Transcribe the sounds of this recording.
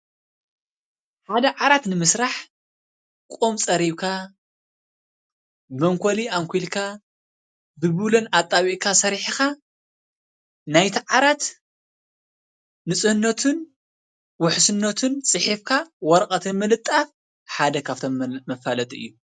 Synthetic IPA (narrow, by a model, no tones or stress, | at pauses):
ħad̪ɐʕaɾat̪nɨmɨsɾaħ | kʼomt͡sʼɐɾiβkʰa | mɐŋkʰoliaŋkʷʰilkʰa | bɨβulɐnat̪ʼːaβiʔkʰasɐɾħixa | najt̪ʰiʕaɾat̪ | nɨsʼɨhɨnːɐt̪ʰɨn | wʊħsɨnːɐt̪ʰɨnt͡sʼɨħifkʰawɔɾɐkʼɐt̪ʰɨnmɨlɨt̪ʼːaf | ħad̪ɐkʰaft̪ʰomɐfalɐt̪ʼʔɨ̰jːu